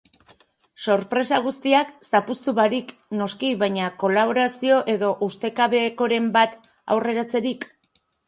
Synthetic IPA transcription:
so̞ɾpɾe̞saɣ̞ust̪iaksapust̪uβaɾikno̞skiβajɲako̞laβ̞o̞ɾasio̞ʔe̞ðo̞ʔust̪e̞kaβe̞ːko̞ɾe̞mbat̪ | a̰wre̞ɾat͡se̞ɾik

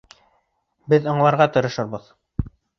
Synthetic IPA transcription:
bɘðŏɴlˠɑɾʁɑt̪ɤ̆ɾɤ̆ʃɤ̆ɾβbɤð

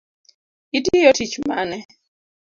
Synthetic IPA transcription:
itijɔtit͡ʃma̰nɛ

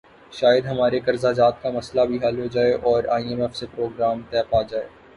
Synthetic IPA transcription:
ʃaːjəd̪ɦɐmaːɾekɐɾzad͡ʒaːt̪kamɐslabʱiɦɐlɦod͡ʒaːeʔɔːɾaːiɛmɛfsepɾoːɡɾaːmt̪ɛːpaːd͡ʒaːeː

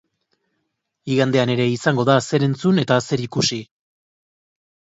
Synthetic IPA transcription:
iɣand̪e̞ane̞ɾe̞isaŋɡo̞ðase̞ɾe̞nt͡sune̞t̪ase̞ɾikusi

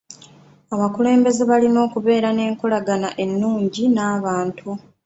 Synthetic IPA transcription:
aβakule̞ːmbe̞ze̞βalino̞ːkuβe̞ːɾane̞ːŋkulaɡanaʔe̞nːuːɲɟinaːβaːntʰu

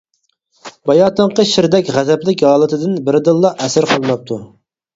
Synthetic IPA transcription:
bɑjɑːt̪ʰəɴqəʃɪɾd̪ɛkʲʁæzɛplɪkʲhɑːlˠɨt̪ʰɨd̪ɪnbɪɾd̪ɨlˠːɑʔɛsɪɾqʰɑlˠɨnɑp̚t̪ʰu

